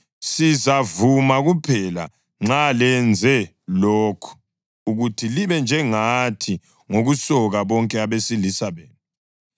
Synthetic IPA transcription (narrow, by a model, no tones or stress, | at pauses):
sizavumaɣupʰɛla̰ | ŋ͡ǁalɛnd͡zʱɛ | loːkʰu̥ | uɣutʰiliβɛnd͡ʒʱɛŋatʰi | ŋoɣusɔɣaβɔŋkʼɛaβesilisaβeːni